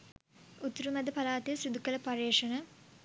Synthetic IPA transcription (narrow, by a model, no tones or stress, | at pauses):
ut̪ɾumɛd̪əpalaːt̪ijəsid̪ukələpaɾeːʂənə